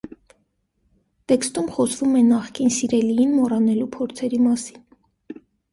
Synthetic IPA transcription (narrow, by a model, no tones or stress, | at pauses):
t̪ɛkst̪umχɔsvumɛnɑχkinsiɾɛlijinmɔrɑnɛlupʰɔɾt͡sʰɛɾimɑsi̥n